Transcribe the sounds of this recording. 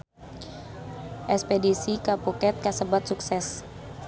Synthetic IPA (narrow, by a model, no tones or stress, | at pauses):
ʔɛspedisikapukɛt̪̚kasəbat̪̚suksɛs